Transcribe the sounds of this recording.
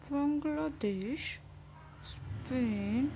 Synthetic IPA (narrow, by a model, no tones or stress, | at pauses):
baŋɡlad̪eʃ | spen